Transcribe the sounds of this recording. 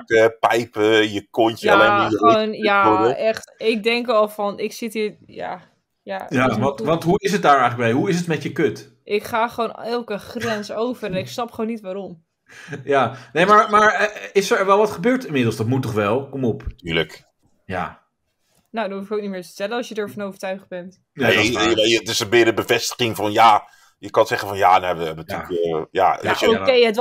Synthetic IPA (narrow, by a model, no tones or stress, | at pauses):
əpɛjpəjəkonəaleonjaɛxtɪk̚dɛŋkɔlˠfɔnɪksɪtija̰ | jajaʋɑntɦuɪs̬ət̚daːɹɛjχələɡbɛjɦuɪs̬ətmɛtjəkøt | ʔɪkχaːχəʋoːnɛlˠkəχrɛnsowfərɛnɪksnɑpχoːnːitʋaɾom | janejmamaɹɪsəɹʋɛlˠʋɑtχəbøːɹtɪmɪdl̩ˠsdɔtmutɔχʋɛlˠkomɔptyːlək | ja̰ː | nowdɔnufɪkowknimɪːɹtə̥tɛlənɑsjədəɹfɔnowvəɹtœɥχd̚bɛnt | naɛjətɪsənbɪdəbəvɛstə̥χɪŋfɑnjaː | jəkɑnsɛχənfɑnjaːdɛbəɛbənyja̰okejət